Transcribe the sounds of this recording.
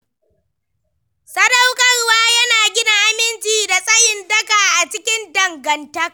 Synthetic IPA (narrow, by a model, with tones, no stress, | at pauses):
sɐ˦da˦wkʼɐ˦rwaː˦jɐ˦naː˨ɡʲɪ˦naː˦ʔa˦mɪ˦nt͡ʃiː˨da˨sʼɐ˦jɪ˨ndɐ˦kaː˨ʔa˨t͡ʃɪ˦kʲɪ˦ndɐ˨ŋɡɐ˨ntɐ˦k̚